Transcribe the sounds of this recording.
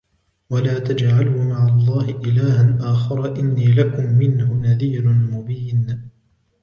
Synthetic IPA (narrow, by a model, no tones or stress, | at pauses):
walaːt̪ad͡ʒʕalʊmaʕalˤːɑːhɪʔɪlaːhanʔaːxɑɾˤɑʔɪnːiːlakʊmːɪnhʊnaðiːɾʊmʊbiːn